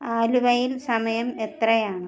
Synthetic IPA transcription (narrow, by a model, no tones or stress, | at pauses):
aːluʋɐjilsɐmɐjɐmet̪rɐjaːɳɨ